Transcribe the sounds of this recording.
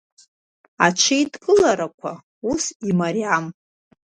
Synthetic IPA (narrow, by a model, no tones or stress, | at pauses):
aʈ͡ʂʰijdɡʼɨlaɾakʷʰa̰ | usimaɾiam